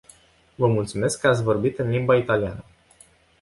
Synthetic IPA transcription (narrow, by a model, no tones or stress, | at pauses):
vəmult̪sume̞skːəat̪sʲvo̞rbit̪ɨnlimbait̪alianə